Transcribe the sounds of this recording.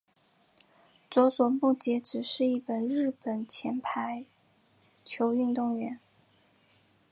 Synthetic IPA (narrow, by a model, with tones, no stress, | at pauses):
t͡swɔ˧˥t͡swɔ˨˩mu˥˩t͡ɕjɛ˧˥ʈ͡ʂɻ̩˨˩ʂɻ̩˥˧i˥˩pə˨˩nɻɻ̩˥˩pə˨˩nt͡ɕʰjɛ˧˥npʰa˧˥ɪ | t͡ɕʰjo˧˥ʊy˥˧nt̪ʊ˥˩ŋɥɛ˧˥n